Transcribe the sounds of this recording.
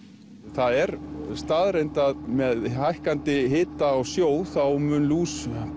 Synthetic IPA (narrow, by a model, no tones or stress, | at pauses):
θaðɛɾst̪aːðɾejnt̪aðmɛðhajhkant̪ɪɦɪːt̪aːwsjoːwθawmʏnluːs